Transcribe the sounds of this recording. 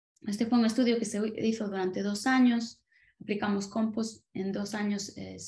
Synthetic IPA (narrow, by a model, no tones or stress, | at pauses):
est̪efojuŋest̪uðjʊkeseiθʊðuɾant̪eðosaɲʊs | aplikamʊskompʊsḛ̃nd̪osaɲʊsḛs